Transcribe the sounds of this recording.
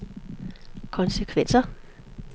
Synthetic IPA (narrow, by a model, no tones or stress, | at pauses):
kʰɒ̽nsəkʰʋen̰sɐ